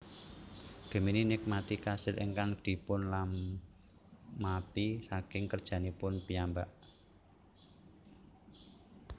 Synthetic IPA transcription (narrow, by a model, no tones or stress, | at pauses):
ɡ̥ə̤mininɪk̚mat̪ikasɪlʔḭŋkaŋd̪̥i̤pʊnlam | apisakɪŋkərd̥ʒ̥ä̤nipʊnpijambaʔ